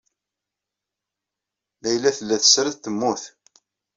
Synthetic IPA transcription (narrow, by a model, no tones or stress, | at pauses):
mæjlːæθəlːæθə̥sːɾθt̪ːəmːuθ